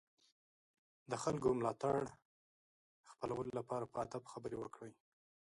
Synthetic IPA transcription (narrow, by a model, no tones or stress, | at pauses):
d̪əxalɡomlɑt̪aɽ | xpəlawəlolapɑɾapəad̪abxabəɾewəkɽəj